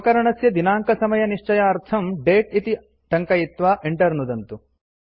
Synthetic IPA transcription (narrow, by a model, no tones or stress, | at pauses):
kɐɾɐɳɐsjɐd̪inaːŋkɐsɐmɐjɐniʂt͡ʃɐjaɐɾt̪ʰɐmɖeːʈ̚it̪i | ɖ̪ɐŋkɐjit̪ʋaːʔeɳʈɐɾnud̪ɐnt̪u